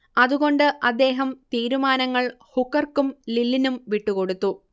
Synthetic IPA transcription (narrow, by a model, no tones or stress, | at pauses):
ɐðuɣo̞ɳɖɨʔɐd̪ːe̞ːɦɐmt̪iːɾumaːnɐŋːɐɭ | hukːɐrkumlilːinumʋiʈːuko̞ɽut̪ːu